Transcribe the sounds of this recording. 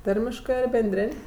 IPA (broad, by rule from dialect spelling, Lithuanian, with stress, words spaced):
ˈtɐrʲmʲɪʃkɜ ɐr bʲɛnʲˈdʲrʲeːnʲ